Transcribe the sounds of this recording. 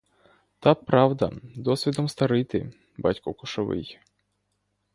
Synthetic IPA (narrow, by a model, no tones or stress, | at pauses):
t̪apɾawd̪ɐ̰d̪ɔsʲvʲid̪ɔmst̪ɐɾɪt̪ɪ̰ | ba̰tʲkɔkʊʂɐʋɪ̰j